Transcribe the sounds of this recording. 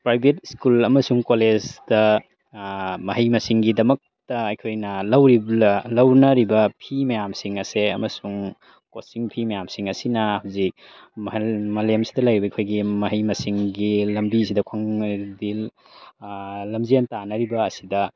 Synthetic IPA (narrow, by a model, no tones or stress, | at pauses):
pɾajbʱetskulɐmɐsuŋkoled͡ʒdɐ | mɐɦɐjmɐsiŋɡidɐmɐk̚tɐːjkʰojnɐlɐwɾilɐwnɐɾibɐpʰimɐjamsiŋɐseɐ̰mɐsuŋ | kosiŋpʰimɐjamsiŋɐsinɐhawzik̚ | mɐlemsi̥dɐlɐjɾibɐikʰojɡimɐɦɐjmɐsiŋɡilɐmbis̬idɐkʰaŋdil | lɐmzientanɐɾibɐːsidɐ